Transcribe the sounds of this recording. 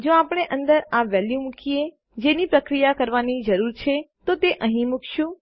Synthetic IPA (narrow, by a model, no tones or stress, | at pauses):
d͡ʒoapɽ̃eʔə̃nd̪əɾaʋɛljumũkie | d͡ʒenipɾəkɾijakəɾʋanid͡ʒəɾuɾt͡ʃʰet̪ot̪eʔəɦĩmukʰʃũ